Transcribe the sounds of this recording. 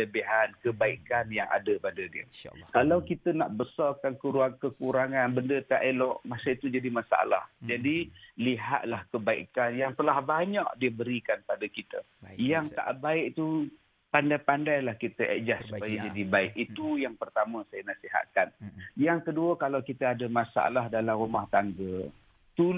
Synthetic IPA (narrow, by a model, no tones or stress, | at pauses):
ləbiɦankəbaikanjaŋa̰dəpadədiə̰kalawkit̪əna̰ʔbəsɔrkankəɾuaŋkəkuɾaŋanbəndət̪aʔelɔʔmasait̪ud͡ʒadimasaa̰la̰hd͡ʒadiliɦa̰t̪̚lahkəbaḭkanjaŋt̪əlahbaɲaʔdiəbəɾikanpadəkit̪ə̰jaŋt̪a̰ʔbaɪʔ̚t̪u | pandajpandajlahkit̪əʔə̰ʔd͡ʒasːu̥ppajad͡ʒadibaɪʔit̪ujaŋpərt̪amə̃sajanasiɦa̰t̪̚kanjaŋkəduəkalawkit̪əadəmasa̰a̰laɦdalamrumaht̪aŋɡə | t̪u